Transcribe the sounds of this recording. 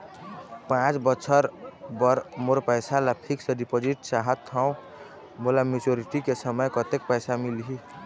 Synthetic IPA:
pãt͡ʃbəsʰəɾbəɾmoɾpəjsalapʰiksəɖipod͡ʒiʈsaɦət̪ʰːaʊ̃ | molamit͡ʃoɾiʈikesəməjkət̪ek̚pəjsamilɦi

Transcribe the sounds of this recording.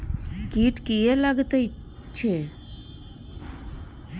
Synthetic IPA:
kiʈkielaɡt̪əj | t͡ʃʰe

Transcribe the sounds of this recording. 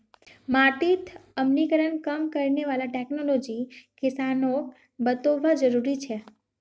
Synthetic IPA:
maʈit̪ʰəmnikəɾənkəmkəɾineʋalaʈeknolod͡ʒikɪsanok | bət̪oʋad͡ʒəɾuɾit͡ʃʰe

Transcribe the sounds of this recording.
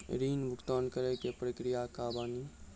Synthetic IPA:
ɾiːnbʱʊkt̪aːnkəɾekepɾəkɾijakabaːni

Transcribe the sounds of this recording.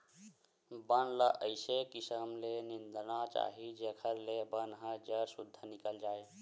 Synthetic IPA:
bənləʔəɪsekisəmlenind̪nat͡ʃa̰ɦid͡ʒekʰəɾlebənɦə̃d͡ʒəɾsud̪ʱːənikəld͡ʒae

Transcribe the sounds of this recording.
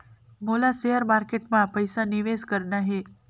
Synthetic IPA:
molaseəɾmaɾkeʈmãpəjsaniʋeskəɾɳaɦe

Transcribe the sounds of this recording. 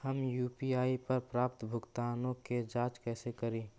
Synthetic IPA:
hɐmjuːpiaːipɐɾpɾaːp̚t̪bʱʊɡt̪aːnõked͡ʒaːt͡ʃkɛːsekɐɾẽː

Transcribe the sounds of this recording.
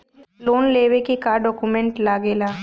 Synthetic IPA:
loːnleːʋekikaɖɔːkumẽɳʈlaːɡeːlaː

